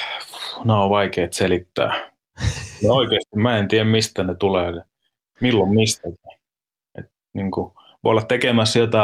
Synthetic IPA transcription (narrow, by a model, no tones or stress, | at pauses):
neoʋʋɑikeːt̪selit̪ːæ̰ː | neoikeˑːst̪immæent̪iæmmist̪ænet̪uleː | milːommist̪æki̥ | ḛt̪ | niːŋku | ʋoolːɑtt̪ekemæsːjot̪ɑ